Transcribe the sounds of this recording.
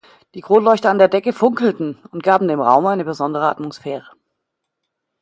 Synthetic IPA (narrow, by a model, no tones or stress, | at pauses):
d̥iːɡʁoːnlɔʏçtɐandeːɐdɛkəfʊŋkl̩tn̩ʊnt̚ɡ̥aːbm̩deːmʁa̰ʊmaɪnəbəzɔndəʁəa̰tmosfɛːʁə